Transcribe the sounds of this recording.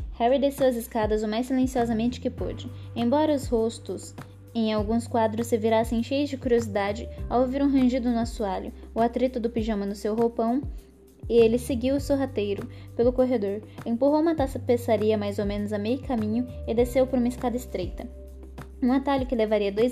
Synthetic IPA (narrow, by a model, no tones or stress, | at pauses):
hɛwid̪esewɐzɪskad̪ɐzʊmajsːilẽsiɔzɐmẽnt͡ʃɪ̥kɪpo̰d͡ʒɪẽj̃bɔɾɐʊshost̪ʊs | ẽj̃awɡũskwad̪ɾʊsːɪviɾasẽj̃ʃejʊzd͡ʒɪkuɾiozid̪ad͡ʒɪawoviɾũɦɐ̃ʒid̪ʊnʊasuaʎʊ̰ʊat̪ɾit̪ʊd̪ʊpiʒɐ̃mɐnʊsewɦopɐ̃w̃ | ɪelɪseɡiwʊsewɦat̪ejɾʊ | pelʊkoɦed̪oɾẽpuɦowũmɐt̪asɐpesaɾiɐmajzowmẽnʊzɐmejʊkamĩɲʊɪd̪esewpɔɾũmɐɪskad̪ɐɪst̪ɾejt̪ɐ | ũat̪aʎʊkɪlevaɾiɐd̪oj